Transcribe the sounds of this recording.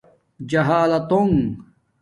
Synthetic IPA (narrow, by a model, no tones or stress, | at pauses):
d͡ʑɐɦaːlɐt̪oŋ